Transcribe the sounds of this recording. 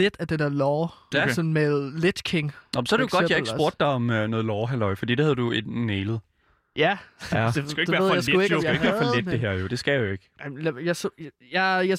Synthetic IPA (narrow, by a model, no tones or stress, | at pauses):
ed̥æd̥ed̥eɐlɒːsɒ̽n̩meðˠled̥kʰeŋnɒmnsɒæɾejoɡɡɒ̽djɑ̈eɡso̝ɐ̰d̥ɑ̈ɪɒ̽mønɔːðˠlɒːɦælɒɪfɒ̽d̥ḭːd̥ehæð̞ˠd̥ued̥neːlð̩ˠ | jææd̥eɡ̥æoeɡʋæɐðˠjasueɡeɡ̥ʋæːɐfɒled̥̚d̥e̝ɦeɐ̰jo̝d̥e̝sɡ̥æjjeɡ̥ɪmljas | jɑja